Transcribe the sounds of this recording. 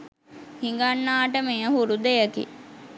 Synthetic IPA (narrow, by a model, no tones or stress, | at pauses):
hiŋɡanːaːʈəmejəɦuɾud̪ejəkḭ